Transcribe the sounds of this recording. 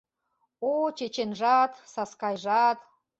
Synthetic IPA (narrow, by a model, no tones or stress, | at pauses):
ot͡ɕet͡ɕenʒɑt̪sɑskɑjʒɑt̪